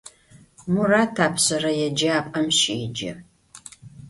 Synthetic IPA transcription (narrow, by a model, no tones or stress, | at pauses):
muraːtʰaːpʰɕɐrɐjɛd͡ʒɐaːpʼɐmʃḭːd͡ʒɐ̰